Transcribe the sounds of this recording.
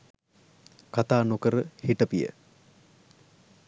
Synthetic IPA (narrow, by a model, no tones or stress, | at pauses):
kat̪aːnokəɾəhiʈəpijə̰